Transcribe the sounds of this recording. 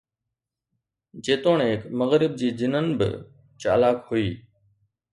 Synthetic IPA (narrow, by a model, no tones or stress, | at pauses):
d͡ʑeːt̪oːɳekməɣɾɪb̚d͡ʑiːzɪnənbɪ̰ | t͡ɕa̰ːlaːkhʊiː